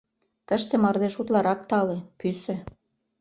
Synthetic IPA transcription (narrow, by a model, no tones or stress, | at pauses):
t̪əʃt̪ĕmɑrd̪eʃut̪lɑɾɑk̚t̪ɑlepysø̆